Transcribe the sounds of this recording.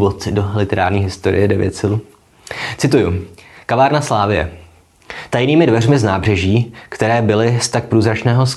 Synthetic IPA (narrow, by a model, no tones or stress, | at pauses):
vot̪ɪdolɪt̪ɛɾaːɾɲiːɦɪst̪o̞ɾɪ̰jɛdɛvjɛ̰t̪sɪlu | t͡sɪt̪ujʊkavaːɾnaslaːvɪjɛ̰ | t̪ajniːmɪdvɛrmɪznaːbr̝ɛʒiːkt̪ɛɾɛːbɪlɪst̪ak̚pɾuːzɾat͡ʃnɛːɦo̞s